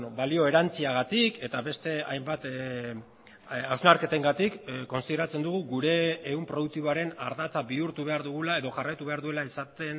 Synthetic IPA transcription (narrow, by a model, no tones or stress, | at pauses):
obalio̞e̞ɾant͡siaɣ̞at̪ike̞t̪aβe̞st̪e̞a̰jmbat̪ | awznaɾke̞t̪e̞ŋɡat̪ikːo̞nsiðeɾat͡se̞nd̪uɣ̞uɣuɾe̞ːumpɾo̞ðuk̚t̪iβo̞aɾe̞naɾðat͡saβiuɾt̪uβe̞aɾðuɣ̞ulae̞ðo̞ʝarajt̪uβe̞aɾðue̞laisat̪e̞n